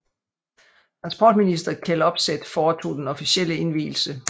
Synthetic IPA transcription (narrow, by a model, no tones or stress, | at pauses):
t͡sʰʁɑ̈nsb̥ɒ̰ːd̥minisd̥ɐkʰelɒ̽b̥sed̥fɒːt͡sʰo̝̰ːd̥enɒ̽fiɕel̰əe̝nʋḭːl̩sə